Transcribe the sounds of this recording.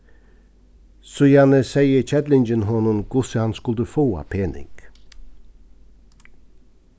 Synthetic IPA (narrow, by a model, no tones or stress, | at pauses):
sʊjɑnəsæɪət͡ʃɛd̪lɪnd͡ʒənɦɔnʊmɡ̥ʊsəhɑnskʉld̪ʉfoːɑ̰pʰeːnɪ̰ɡ̥